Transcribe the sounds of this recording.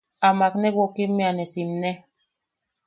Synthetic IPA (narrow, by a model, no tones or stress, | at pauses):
amaknɛwokimːianɛsimnɛ